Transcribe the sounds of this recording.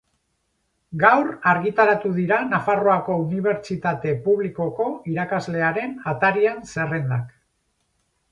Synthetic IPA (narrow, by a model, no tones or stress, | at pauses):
ɡawraɾɣit̪aɾat̪uðiɾanafaroako̞uniβ̞e̞ɾt͡ʃit̪at̪e̞puβliko̞ko̞iɾakazle̞aɾe̞nat̪aɾianse̞re̞nd̪ak